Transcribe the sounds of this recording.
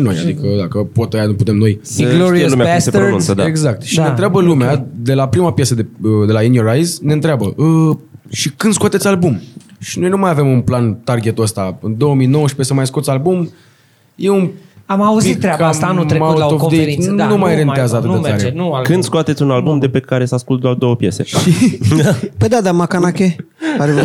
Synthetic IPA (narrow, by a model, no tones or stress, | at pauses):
ino̞ja̰d̪ikəd̪akəpo̞t̪əjanuput̪e̞mno̞jloɾelumeasseɾṵ̃nsəd̪aeɡzak̚t̪ʃinet̪ɾeabəlumead̪e̞lapɾimapjesəd̪eəd̪e̞lainioɾajzne̞ɨnt̪ɾeabəʔəʃikɨnd̪skʊat̪e̞t̪ʲalbumʃinojnumajave̞munplant̪arɡʲe̞t̪əst̪aɨnd̪o̞əmino̞wəʃpesəmajskot̪sʲalbum | je̞unamauzit̪t̪ːɾakaanumaoovd̪eeinumajɾent̪eazəat̪ɨt̪ettaɾenkɨnd̪skoat̪et̪sʲunalbumd̪epekaɾe̞saskult̪d̪ard̪o̞wəpje̞̰se̞̰ʃi | pəjd̪ad̪amakanakʲe | aɾe